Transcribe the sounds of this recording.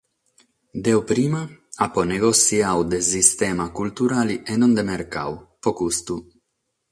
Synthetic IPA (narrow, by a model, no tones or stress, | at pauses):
d̪ewpɾiːmaaponeɡosiawd̪esist̪emakult̪uɾalienond̪emeɾka̰wpokust̪u